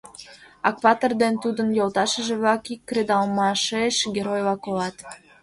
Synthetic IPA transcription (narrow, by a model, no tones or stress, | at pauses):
ɑ̰kβɑt̪ord̪ent̪ud̪ənjolt̪ɑʃəʒeβlɑkikːred̪ɑlmɑʃeʃɡʲeɾojlɑkolɑt̪